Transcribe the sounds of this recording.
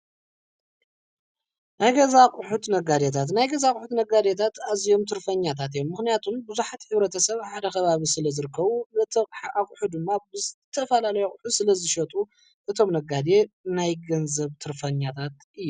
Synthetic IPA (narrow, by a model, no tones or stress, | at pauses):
najɡɐzakʼħut̪nɐɡad̪et̪ʰat̪najɡɐzakʼħut̪nɐɡad̪et̪ʰat̪azijo̞mt̪ʰɨɾfɐɲːat̪ʰat̪ijomːɨxnijat̪ʰumbuzuħat̪ħɨβɾɐt̪ʰɐsɐβħad̪ɐxɐβaβisɨlɐzɨɾɨkʰːɐβut̪ʰɐħaʔakʼuħud̪ɨmːabɨɨt̪ʰɐfɐlalɐjokʼʊħusɨlɐzɨʃɐt̪ʼu | ʔɨt̪ʰo̞mnɐɡad̪e̞najɡɐnzɐβt̪ʰɨɾfɐɲːat̪ʰat̪ʔɨjːu